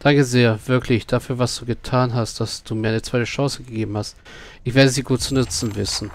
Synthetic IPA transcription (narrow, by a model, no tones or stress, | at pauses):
d̥aŋkəzeːɐv̥ɪɐkʰlɪçd̥afyːɐvasd̥uːɡətʰaːnɦastd̥asd̥uːmiːɐʔaɪnət͡sv̥aɪtəʃɑ̃ŋsəɡəɡeːbm̩hast | ʔɪçv̥eːɐdəziːɡuːt̚t͡sunʏt͡sn̩vɪ̰sn̩